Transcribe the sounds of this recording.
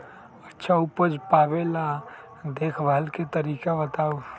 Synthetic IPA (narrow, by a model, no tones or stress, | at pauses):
ətːʃʰaʊpəd͡ʒpaːbelã | d̪eːkʰbʱalket̪əɾiːkabət̪aːu